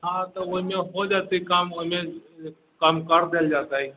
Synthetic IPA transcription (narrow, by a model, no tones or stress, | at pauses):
ɦãt̪ɔoɦimẽɦod͡ʒaːt̪eikaːmoɦimẽ | kəmkəɾd̪eld͡ʒaːt̪aɦi